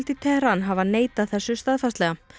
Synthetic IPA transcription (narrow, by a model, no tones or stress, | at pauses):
lt̪ɪt̪ʰɛhɾanɦavaneːjt̪aðθɛsːʏst̪aðfast̪lɛɣa